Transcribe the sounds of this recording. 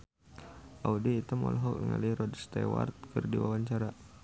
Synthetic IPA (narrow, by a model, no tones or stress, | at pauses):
ʔaudiːt̪amɔ̰lɦɔknəŋa̰liiɾɔdst̪ɛwa̰rt̪̚kɨrdiwawaɲt͡ʃaɾa